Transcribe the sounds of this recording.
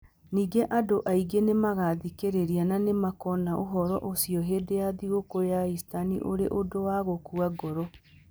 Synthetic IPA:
niːɡeʔadoʔaiɡenemaɣaðikeɾeɾiananemakɔnaʔoɦɔɾɔ̰ʔosiɔɦeːdejaðiɣokojaistanḭʔoɾḛʔodowaɣokuaɡɔɾɔ

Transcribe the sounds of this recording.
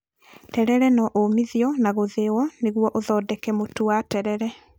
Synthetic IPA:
tɛɾɛɾɛnɔʔomiðiɔnaɣoðewɔneɣwɔʔoðɔːdɛkɛmotuwatɛɾɛɾɛ

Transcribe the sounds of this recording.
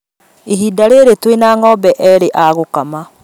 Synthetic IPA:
eɦiːdaɾeɾetwenaːŋɔbɛʔɛɾeʔaɣokama

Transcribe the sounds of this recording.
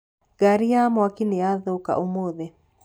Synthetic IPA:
ɡaɾijamwakineaðoka̰ʔomoðe

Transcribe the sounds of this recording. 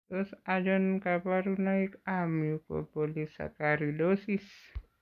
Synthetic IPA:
t̪ɔsad͡ʒɔnkapaɾunaikamjukɔ̰pɔlisa̰kaɾidɔsis

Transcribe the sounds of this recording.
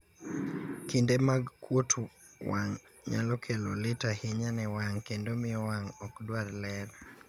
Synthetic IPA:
kindemaɡkwotʰu | waŋ | ɲa̰lɔkʰelolɪtahɪɲanɛwaŋkendomɪjɔwaŋɔkdwaɾlɛɾ

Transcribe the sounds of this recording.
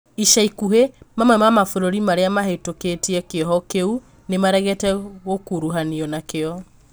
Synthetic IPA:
iʃaikuɦemamwɛmamafoɾoɾimaɾeamaɦetoketiɛkeɦɔkeu | nemaɾɛɣɛtɛɣokuɾuɦaniɔnakeɔ

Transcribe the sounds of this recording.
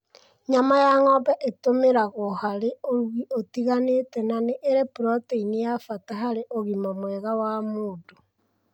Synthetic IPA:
ɲamajaŋɔbɛʔetomeɾaɣohaɾeoɾuɣiʔotiɣanetɛnaneʔeɾepuɾɔteinejafataɦaɾeʔoɣimomwɛɣawamoːdo

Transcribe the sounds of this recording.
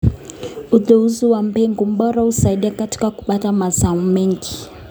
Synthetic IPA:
uðɛuziwam̩bɛŋɡum̩ɓɔɾausaiɗiakati̥kaku̥patamazaumɛŋɡi

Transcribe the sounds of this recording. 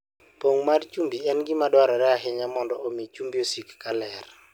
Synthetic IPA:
poŋmart͡ʃumbiɛnɡɪmadwaɾɔɾɛaɦɪɲamɔndɔomit͡ʃumbiosikːalɛr

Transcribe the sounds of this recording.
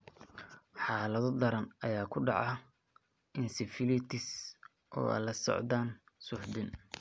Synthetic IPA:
ħɑːlɐðɔd̪ɐɾɐnʔɐjaːkʰʊɖɑ̰ʕɑ | ɪnsɪfɪlɪt̪ʰɪs | ʔɔ̰ːa̰lɐsɔ̰ʕd̪aːn | sʊħd̪ɪn

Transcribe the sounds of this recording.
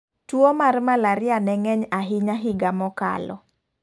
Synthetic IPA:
twomarmalaɾjanɛŋɛɲaɦɪɲaɦɪɡamɔka̰lɔ̰

